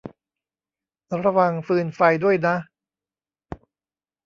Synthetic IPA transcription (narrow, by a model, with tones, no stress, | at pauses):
ɾa˧wa˨˧ŋfɯː˧nfa˧jdu˥˩əjna˦˥